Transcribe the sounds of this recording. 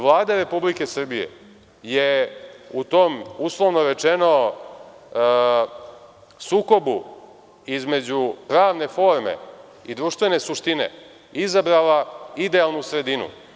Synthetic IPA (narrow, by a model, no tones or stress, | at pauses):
ʋlˠaːd̪aɾe̞publike̞sr̩bijḛ | jeut̪o̞ːmuslˠo̞ʋno̞ɾe̞t͡ʃeno̞ | suːko̞bu | izme̞d͡ʑupɾaːʋne̞fo̞ːɾmḛ | id̪ɾuʃt̪ʋe̞ne̞suʃt̪ine̞̰ | izabɾalaid̪ealˠnusɾe̞d̪inṵ